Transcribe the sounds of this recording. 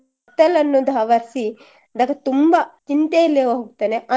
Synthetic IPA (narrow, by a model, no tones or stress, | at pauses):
t̪ːɐlɐnːud̪ʱɐɐʋɐɾsi | ɐd̪ɐɡɐt̪umbɐt͡ʃint̪ejɐlːeʋɐɦoɡt̪ːɐneʔɐ